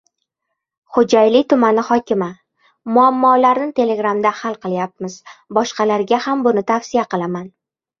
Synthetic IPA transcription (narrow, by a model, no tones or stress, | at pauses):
χod͡ʒajlɪt̪ʰʊmanɪhɒkʲɪma | mʊamːɒlaɾnɪt̪ʰe̞le̞ɡɾamd̪ahalˠqɨlˠjap̚mɪz̥bɒʃqɑlaɾɡʲahambʊnɪt̪ʰafsijaqɨlˠaman